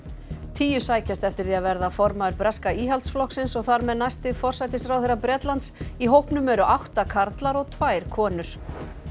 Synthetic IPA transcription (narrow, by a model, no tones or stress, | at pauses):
t̪ʰiːjʏsaːjcast̪ɛft̪ɪɾ̥θiaðvɛɾðafɔɾmaðʏɾpɾɛskaiːɦalt̪sflɔhksɪnsɔɣθaɾmɛðnajst̪ɪfɔr̥sajt̪ɪsɾawθejɾapɾɛːt̪lant̪siɦowhpnʏmɛɾʏʔawht̪akʰaɾt̪laɾɔɣt̪ʰvaːjɾ̥kʰɔːnʏɾ̥